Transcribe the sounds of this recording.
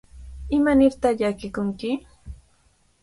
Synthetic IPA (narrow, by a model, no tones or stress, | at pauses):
ɪmanɪɾt̪aχʎakɪkʊŋkɪ